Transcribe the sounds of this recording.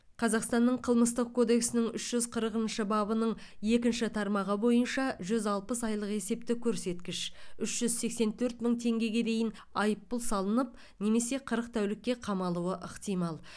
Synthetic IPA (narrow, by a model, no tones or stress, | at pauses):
qʰɑzɑqst̪ɑnːəɴqʰəlˠməst̪əq̚kʰo̞d̪e̞ksɪnɪŋʏʃʒ̥ʏzqʰəɾəqənʃəbɑbənəɴ | je̞kʲɪnʃɪt̪ʰɑɾmɑʁəbo̞jənʃɑʒʏzɑlˠpəsɑjlˠəqe̞se̞p̚t̪ɪkʲʰɵɾse̞t̪kʲɪʃʏʃʒ̥ʏzse̞kse̞nt̪ʰɵɾt̪məɴt̪ʰe̞ŋɡʲe̞ɡʲe̞d̪e̞jɪn | ɑjəpːʊlˠsɑlˠənəp̚ | ne̞me̞se̞qʰəɾəqt̪ʰæwlɪkʲːe̞qʰɑmɑlˠuəʔəqt̪ijmɑlˠ